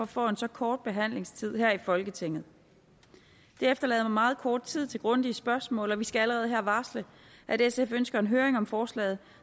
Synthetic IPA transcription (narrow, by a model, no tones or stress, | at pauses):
ɒ̽fɒ̰̽ːe̝nsɒ̽kʰɒːd̥̚b̥e̝ɦæn̰le̝ŋst͡sʰið̞̰ˠhæɐ̰ifɒ̽lɡ̥ət͡sʰe̝ŋ̰ð̩ˠ | d̥e̝efd̥ɐlɛ̰ːðˠmɑ̈mɑ̈ːð̞̩ˠkʰɒːd̥̚t͡sʰið̞̰ˠt͡sʰe̝lɡ̥ʁɔ̽nd̥iəsb̥ɶɐsmɔ̰̽ːlɒ̽ʋisɡ̥ææləʁɛːð̩ˠɦæɐ̰ʋɑ̈ːslə | ʔæd̥esefønsɡ̥ɐe̝nɦøːɐeŋɒ̽mfɒːslɛ̰ːð̞̩ˠ